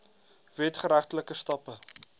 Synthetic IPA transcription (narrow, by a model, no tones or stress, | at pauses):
vɛtχəɾæχtələkəstɑpə